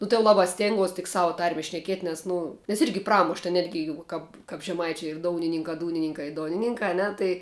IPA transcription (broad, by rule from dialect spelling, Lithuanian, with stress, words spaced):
ˈnʊ tɐɪ jɛʊ ˈlˠɑːbɑː ˈsʲtʲeːŋɡuɔs tʲɪk ˈsɑːʋʊ ˈtɐrʲmʲɛ ʃʲnʲɛˈkʲiɛtʲ nʲɛs ˈnʊ nʲɛs ˈɪrʲɡʲɪ ˈprɑːmʊʃ tɐ ˈnʲæːdʲɡʲɪ jɛʊ ˈkɐp kɐp ʒʲɛˈmɐɪt͡ʃʲʊ ɪr ˈdoːʊnʲɪnʲɪŋkɑː ˈduːnʲɪnʲɪŋkɑː ɪ ˈdoːnʲɪnʲɪŋkɑː ɐ ˈnʲɛ tɐɪ